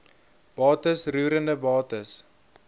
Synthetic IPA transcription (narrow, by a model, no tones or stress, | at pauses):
b̥ɑːtəsruːɾəndəbɑːtəs